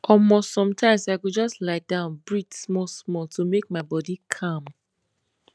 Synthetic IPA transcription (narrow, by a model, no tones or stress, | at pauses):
ɔmostsɔ̃mtʰãɪ̃msaɪkod͡ʒɔstlaɪdãʊ̃nbɹitsmɔlsmɔltʰomek̚maɪbɔdikʰãm